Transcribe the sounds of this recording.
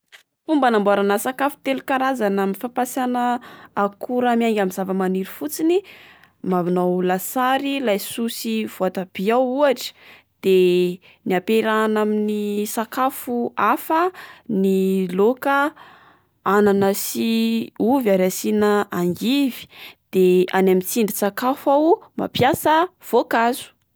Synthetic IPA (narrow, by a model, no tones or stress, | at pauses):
fumbənambaɾanəsakafu̥t̪elukaɾazanaminfapasanəakʰuɾamiaŋɡʲamizavəmaniɾifut͡sini | mavinawlasaɾilajsusiv̥oat̪ab̥iawuaʈ͡ʂə̥ | d̪̥e | niapeɾanaminisakafuafənilokə | ananəsiuvaɾasinəaŋɡivi̥d̪̥ea̰namit͡siɳɖ͡ʐisakafawma̰pjasəv̥okazu̥